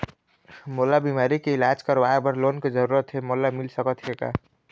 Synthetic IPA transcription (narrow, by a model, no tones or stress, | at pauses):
molabimaɾikeilad͡ʒkəɾʋaebəɾlonked͡ʒəɾuɾət̪ɦemolamilsəkət̪ʰjeka̰